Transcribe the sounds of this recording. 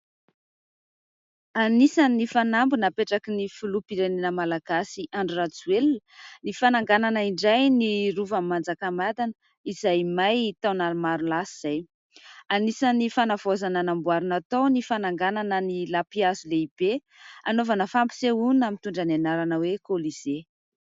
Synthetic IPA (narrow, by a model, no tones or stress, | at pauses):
anisanifanambunapeʈ͡ʂakinifulupiɾenenəmalaɡ̥asiʔaɳɖ͡ʐurat͡suelnnifanaŋɡananaiɳɖ͡ʐajniruvammːand͡zakamad̪anə | izajmajt̪awnaɾumaɾunlasiz̥aj | anisanifanav̥ozananambwaɾunat̪onifanaŋɡananənilapiazuleib̥e | a̰novanəfampi̥seunamint̪uɳɖ͡ʐananaɾanəwekoliz̥e